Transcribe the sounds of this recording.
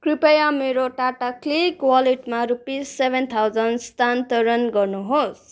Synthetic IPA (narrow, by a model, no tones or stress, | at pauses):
kripʌjameɾoʈaʈaklikwʌleʈmaɾupisebʱent̪ʰawd͡zʌnst̪ant̪ʌɾʌnɡʌrnuɦos